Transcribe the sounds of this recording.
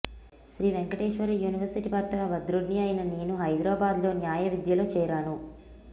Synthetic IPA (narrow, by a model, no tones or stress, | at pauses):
ʃɾiːʋeŋkɐʈeːʂʋɐɾjuːniʋɐɾsiʈipɐʈ̪ːɐʋɐd̪ɾuɖniɐjinɐne̞ːnuɦɐjd̪ɾaːbaːd̪lo̞ːnjaːjɐʋid̪jɐloːt͡ʃɛːɾaːnu